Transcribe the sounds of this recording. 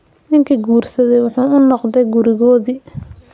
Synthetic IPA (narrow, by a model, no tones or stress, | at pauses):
nɪŋkʰiɡuːrsɐðɛjwʊħuːʊnɔqdðɛjɡʊɾɪɣɔːðiː